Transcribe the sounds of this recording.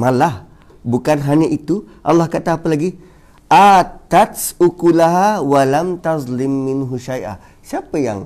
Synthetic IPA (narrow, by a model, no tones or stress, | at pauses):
malah | bukanɦaɲaʔit̪uʔɑ̰lːahkat̪aːpəlaɡi | ʔat̪at̪sukulaɦawalamt̪azlɪmːɪnɦuʃajʔa̰ | siapəja̰ŋ